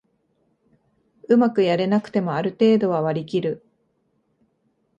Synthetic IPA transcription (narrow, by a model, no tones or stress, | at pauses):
ɯmakɯ̟jaɾe̞nakɯ̟̥t̪e̞mo̞aɾɯ̟t̪e̞ːd̪o̞β̞aβaɾʲikʲiɾɯ̟